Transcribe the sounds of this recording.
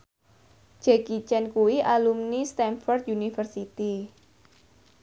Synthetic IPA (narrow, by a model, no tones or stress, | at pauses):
d͡ʒ̥ɛkit͡ʃɛnkuwiʔalumnist̪ɛnfɔrt̪̚junifərsit̪i